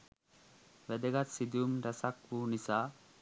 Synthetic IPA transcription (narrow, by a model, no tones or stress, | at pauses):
ʋæd̪eɡat̪sid̪uumɾəsakʋuːnisaː